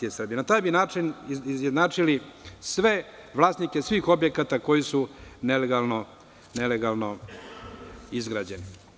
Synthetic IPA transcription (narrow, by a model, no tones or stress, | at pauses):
iesr̩bijenat̪aːjbinaːt͡ʃinizjed̪naːt͡ʂilisʋe̞ʋlˠaːsnike̞sʋiːxo̞bjekat̪ako̞jisune̞leɡalˠno | ne̞leɡalˠno̞ | izɡɾaːd͡ʑe̞ni